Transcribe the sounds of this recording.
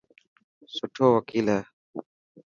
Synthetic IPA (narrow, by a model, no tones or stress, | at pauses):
sʊʈʰoːwəkiːleː